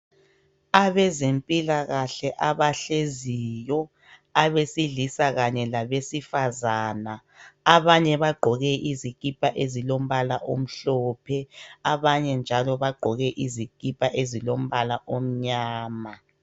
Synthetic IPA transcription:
aβɛzempʼilaɣaɬɛʔaβaɬezijɔ | aβesiɮisaɣaɲɛlaβesifazaːna | aβaɲɛβaɡ͡ǃʱɔɣɛʔizik̬ʼipʰʼaʔezilom̩βalaʔom̩ɬɔːpʰɛaβaɲɛnd͡ʒʱalɔβaɡ͡ǃʱɔɣɛʔizikʼipʰʼaʔezilom̩βalaʔom̩ɲaːma

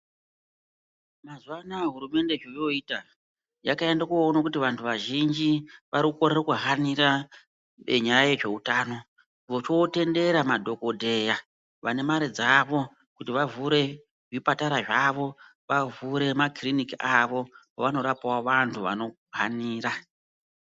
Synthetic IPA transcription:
mazuwanaeɦuɾume̞nde̞ʐojo̞iːta | jakae̞ndakuonakutiʋantʰuʋaʒind͡ʒiʋaɾikuko̞ɾerokuɦaniɾa | eɲajaje̞ʐe̞utaːno̞ | ʋot͡ʃote̞nde̞ɾamadʱo̞ko̞dʱe̞ja | ʋane̞maɾid͡zaʋo̞ | kutiʋavuɾe̞ | ʐipataɾaʐaʋo̞ | ʋavuɾe̞makrinikiaʋo̞ | oʋano̞ɾapawaʋantʰuʋa̰no̞ | ɦaniːɾa

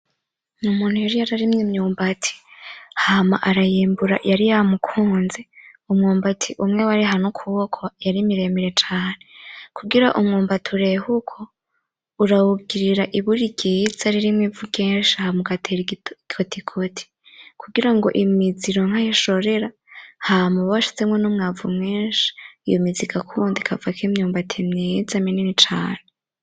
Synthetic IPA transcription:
numuːn̥hujaɾijaɾaɾimɲimɲuːmbatʰi̥hama̰ʔaɾajiːmbuɾa̰jaɾijamukʰuːnze | umŋuːmbatʰiʔumŋe̞waɾiɦanokʰuβokʰojaɾimiɾe̞miɾe̞t͡ʃaːne̞kʰuɡiɾaʔumŋuːmbatʰuɾe̞hukʰo̞ | uɾawubɡiɾiɾaʔiβuɾiɟizaɾiɾimŋivukeːnʃahamuɡatʰeɾikʰotʰikʰotʰi̥ | kʰuɡiɾaŋɡo̞̰ʔimiziɾo̞ŋ̥hajiʃo̞ɾe̞ɾa | hamuβawaʃi̥t͡se̞mŋenumŋaːvumŋeːnʃi̥ijomizikakʰundikʰavakʰimɲuːmbatʰimɲizamininit͡ʃa̰ːne

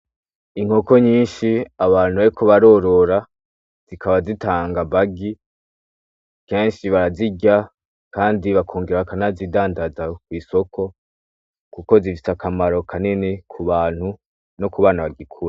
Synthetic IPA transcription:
iŋ̥ho̞ko̞ɲiːnʃiaβaːnhuβaɾikʰoβaɾo̞ɾo̞ɾa | z̥ikʰaβazitaːŋɡaβaɡi | ke̞ːnʃiβaɾaziɟa | kaːndiβakʰoːŋɡeɾaβakanazidaːndazakwiːso̞kʰo̞ | kuko̞zifi̥sakamaɾo̞kʰanenekʰuβaːn̥hu | no̞kuβaːnaβaɡikʰuɾa

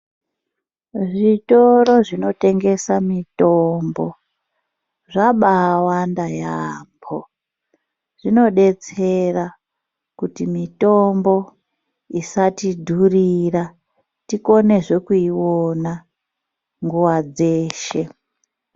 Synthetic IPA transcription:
ʐitoɾo̞ʐino̞te̞ŋɡe̞samito̞mbo̞ | ʐaɓawandajaːmbʰo | ʐ̥ino̞ɗe̞t͡se̞ra | kutimito̞mbo̞ | isatidʱurira | tiko̞ne̞ʐekuiwona | ŋɡuwad͡zeːʃe̞

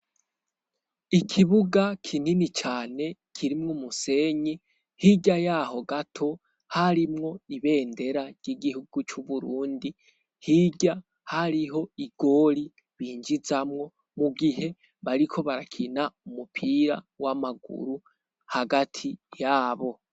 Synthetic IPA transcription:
ikʰiβuɡakʰininit͡ʃaːne̞kʰiɾimŋomuse̞ɲi | hiɟajaːho̞ɡatʰo̞ | haɾimŋo̞iβe̞ːnde̞ɾaɾjiɡihuɡ̥ut͡ʃuβuɾuːndi | hiɟa | haɾiɦo̞iɡ̥o̞ːɾi | βiːɲd͡ʒizamŋo̞ | muɡiɦe̞ | βaɾikʰo̞βaɾakʰinaumupʰiɾa̰ | wamaɡṵɾu | haɡatʰijaːβo̞

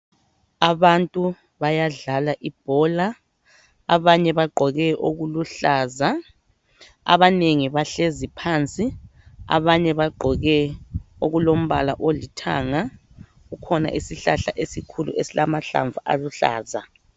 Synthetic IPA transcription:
aβantʼu | βajaɮalaʔib̥̚ʱɔːla | aβaɲɛβaɡ͡ǃʱɔɣɛʔoɣuluɬaːza | a̰βaneŋiβaɬezipʰant͡sʼia̰βaɲɛβaɡ͡ǃʱɔɣɛoɣulom̩βalaʔolitʰa̰ŋa | ɣukʰɔna̰ʔisiɬaɬa̰ʔesikʰulṵʔesilamaɬa̰ɱvuʔa̰luɬa̰ːza

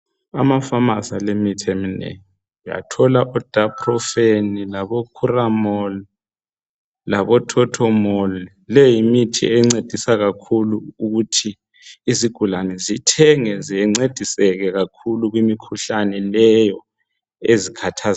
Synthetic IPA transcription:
amafamasalemitʰeminḛŋ | ja̰tʰɔlaʔɔd̥ʱapʰrɔfenilaβɔkʰuramɔli | laβɔtʰɔtʰɔmɔli | lɛjimitʰḭɛŋ͡ǀed̥ʱisaɣakʰuluuɣutʰiː | ziɡ̥ʱulanɛzitʰɛŋɛziɛŋ͡ǀed̥ʱisɛɣɛɣakʰuluɣwimikʰuɬanɛlɛjɔ | ezikʰatʰaz

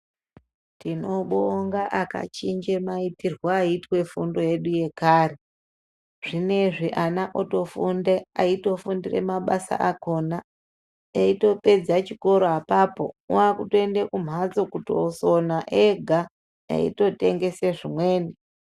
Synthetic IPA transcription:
tino̞ɓoŋɡaʔaka̰t͡ʃiɲd͡ʒemaitirwaːitwe̞fundo̞je̞ɗuje̞kaːre | ʐ̥ine̞ʐiʔanaʔoto̞fundeaito̞fundire̞̰maɓasa̰ʔako̞na | eito̞pe̞d͡zat͡ʃiko̞ɾoapapo̞̰uakutoendekum̤at͡so̞kutiosonaʔeɡʱa | ḛḭto̞te̞ŋɡe̞seʐimwe̞ːni

